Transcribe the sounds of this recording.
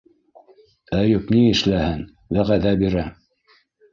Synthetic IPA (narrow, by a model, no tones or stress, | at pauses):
æjɵkniɘ̆ʃlæhɘn | ðæʁæðæbiɾæ